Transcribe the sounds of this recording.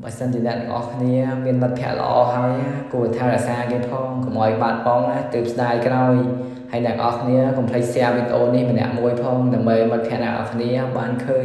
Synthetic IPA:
ɓaəsənt͡ɕiənɛ̆əʔt̪aŋʔɑ̰hkʰniəmiənmət̪̚pʰĭəʔlə̰̆ʔɑ̰ːɦaəjakuət̪ʰaːɾɛəʔsaːkeːəpʰɑːŋkɑmʔaɔjɓaːt̪̚ɓɑŋat̪ɨːp̚sɗaːjkraɔj | haəjnɛ̆əaʔɑhkʰniəkɑmpʰlək̚sɛ̆əʋit̪ʔoːnnihmənɛ̆əʔmuəjpʰɑːŋɗaəmɓəjmət̪̚pʰiəʔnaːʔɑ̰kʰniəɓaːnkʰəːɲ

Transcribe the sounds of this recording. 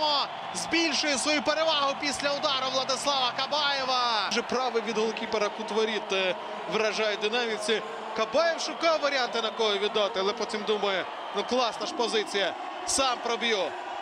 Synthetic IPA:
mɔ | zbʲilʲʃʊjɪsʋɔjupeɾeʋɑɦʊpʲisʲlʲɐʊd̪ɑɾʊʋlˠɐd̪ɪslˠɑʋɐkɐbɑjɛʋɐʒɛpɾɑʋɪʋʲid̪ɦɔlˠkʲipeɾɐkʊt̪ʋɔɾʲit̪ɐ | ʋɾɐʒɑjɛd̪ɪnɑmʲisʲɪ | kɐbɑjewʃʊkɑwʋɐɾʲiant̪ɪnɐkɔɦɔʋʲid̪ːɑt̪ɪɐlˠɛpɔtʲimd̪umɐjɛ | nuklˠɑsnɐʃpɔzɪt͡sʲijɐ | sɑmpɾɔbjɔ

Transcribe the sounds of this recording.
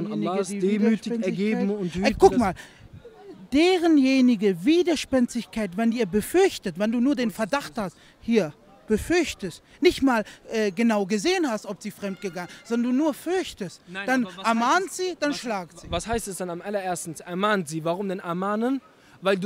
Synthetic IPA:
nasdeːmyːtɪɛɐɡeːm̩ʊnkʊkmaːl | d̥eːʁənjeːnɪɡəviːdɐʃpɛnt͡stɪçkaɪtvɛndiːɐbəfʏɐçtətvɛnduːnuːɐdeːnfɛɐdaχthast | hiːɐ | b̥əfʏɐçtəst | nɪçtmaːlʔɛːɡənaʊɡəzeːənhastʔɔpz̥iːfʁ̥ɛmt̚ɡ̥əɡaŋənzɔndɐnduːnuːɐfʏɐçtəstd̥annɛɐmaːntz̥iːd̥anʃlaːk̚ziːvashaɪstɛsd̥anamʔalɐʔeːɐstn̩sʔɛɐmaːntz̥iːvaʁʊmdɛnɛɐmaːnən | vaɪld

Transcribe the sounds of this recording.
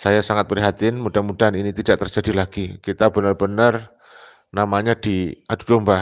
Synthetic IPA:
sajasaŋat̪̚pɾiɦat̪ɪnmudamudaninit̪idaʔ̚t̪ərd͡ʒadilaɡ̥ikit̪abənərbənər | namaɲad̥iʔad̥ud̥omba

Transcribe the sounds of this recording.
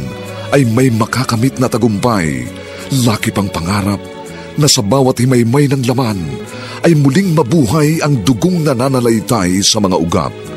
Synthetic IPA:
ŋ | ʔɐjmɐjmɐkakɐmit̪̚nɐt̪ɐɡʊmpa̰j | laːkɪpɐŋpɐŋaːɾɐp̚ | nɐsɐbaːwɐt̪̚hɪmajmajnɐŋlɐman | ʔɐjmʊliŋmɐbuːɦajɐŋd̪ʊɡoŋnɐnanɐlɐjt̪ajsɐmɐŋa̰ʔʊɡa̰p̚

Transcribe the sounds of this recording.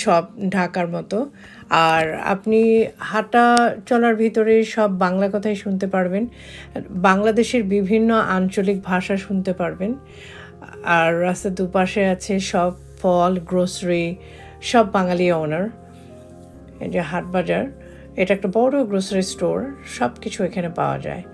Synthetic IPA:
ʃɔb̚ɖʱakaɾmɔt̪o | aɾa̰pnihaʈːat͡ɕɔlaɾbʱit̪oɾeʃɔbːaŋlakɔt̪ʰaeʃunt̪epaɾben | baŋlad̪eʃeɾbibʱinːoʔant͡ɕolik̚bʱaʃaʃunt̪epaɾben | aɾːast̪ad̪upaʃeat͡ɕʰeʃɔb | fɔlɡɾosɾi | ʃɔbːaŋalionaɾ | d͡ʑeɦaʈ̚bad͡ʑaɾ | eʈaɛk̚ʈabɔɽoɡɾosɾisʈoɾʃɔbkit͡ɕʰuekʰanepa̰oa̰d͡ʑa̰e

